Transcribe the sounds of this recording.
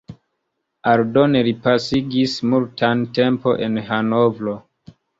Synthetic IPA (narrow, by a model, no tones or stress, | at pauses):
aldo̞neɾipasiɡismultʰante̞mpo̞ʔenɦano̞vlo̞